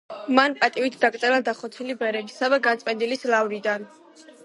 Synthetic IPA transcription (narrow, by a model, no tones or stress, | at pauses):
manpʼat̪ʼiwit̪ʰd̪akʼt̪ʼɛlad̪aχɔt̪sʰilibɛɾɛbisavɛɡant̪sʼpʼɛnd̪ilislavɾid̪an